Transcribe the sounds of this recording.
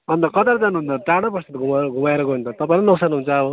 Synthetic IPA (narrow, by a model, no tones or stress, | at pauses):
ʌnt̪ʌkʌt̪aɾd͡zanuɦund̪ʌʈaɽ̃apʌst̪at̪ɡʱumaɡʱumaeɾʌkoɦunt̪ʌt̪ʌpãĩlenʌksanuɦunt͡sʰʌːbʌ